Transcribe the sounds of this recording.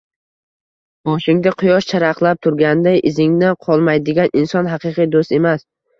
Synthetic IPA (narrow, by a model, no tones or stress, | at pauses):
bɒʃɪŋd̪aqʰʊjɒʃt͡ʃʰaɾɑqlˠap̚t̪ʰʊɾɡʲand̪ajʔɪzɪŋd̪aqʰɒlˠmajd̪ɪɡʲanɪnsɒnɦɑqɨqʰijd̪ost̪e̞mas